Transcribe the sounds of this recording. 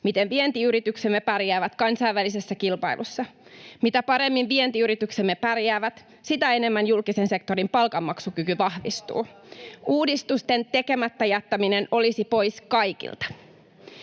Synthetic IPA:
mit̪enʋient̪iyɾit̪yksemːepærjæːʋæt̪kɑnsɑiʋːælisesːækilpɑḭlʔṵsːɑmit̪æpɑɾe̞mːinʋie̞nt̪iyɾit̪yksemːepærjæːʋæt̪ | sit̪æe̞ne̞mːænjulkisense̞kt̪o̞ɾimpɑlkɑmːɑksukykyʋɑhʋḭst̪ṵːuːdist̪ust̪e̞nt̪e̞ke̞mæt̪ːæjæt̪ːæmineno̞lisipo̞jskɑjkḭlt̪ɑ̥

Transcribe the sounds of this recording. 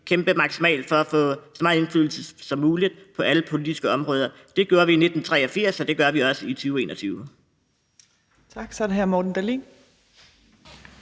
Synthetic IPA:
kʰemb̥əmɑ̈ɡ̥simɛ̰ːld̥fɒ̽æfɔ̰̽ːsɒmɑ̈ð̩ˠe̝nflyːl̩səsɒ̽mːuːlid̥pʰɒ̽ʔæləpʰo̝lid̥isɡ̥əɒ̽mʁɔ̽ːð̞ˠɐ | d̥e̝ɡ̥jo̝ːɐʋiːne̝d̥n̩t͡sʰʁɛ̰ːɒ̽fiɐ̰sɒ̽d̥e̝ɡ̥ɶɐʋiɒ̽səit͡sʰyːʊe̝ːnɒ̽t͡sʰyːʊ | t͡sʰɑɡ̥sɒdɦæɐmɒd̥n̩d̥ælḭːn

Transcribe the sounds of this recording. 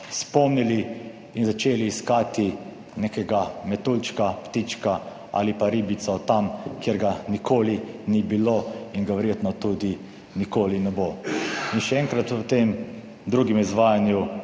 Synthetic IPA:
spɔmniliː | nzat͡ʃeːliːskaːt̪i | nekɛɡamɛt̪ult͡ʃkapt̪it͡ʃka | a̰lipaɾibit̪sɔt̪amkjeɾɡanikʰoːlinibiloiŋɡaʋɛɾjet̪nɔt̪ud̪i | nikoːlinɛboinʃɛɛŋkɾat̪ɔt̪em | d̪ɾuːɡimizʋaːjanju

